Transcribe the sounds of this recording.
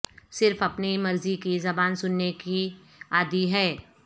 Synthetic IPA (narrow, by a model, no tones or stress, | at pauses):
sɪɾfɐpnimɐɾzikizɐbaːnsʊnːeki | aːd̪iɦɛː